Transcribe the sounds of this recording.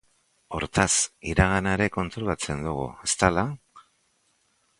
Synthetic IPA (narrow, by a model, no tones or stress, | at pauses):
o̞̰ɾt̪asiɾaɣ̞anaeɾe̞ko̞nt̪ɾolat͡se̞nd̪uɣ̞ṵest̪ala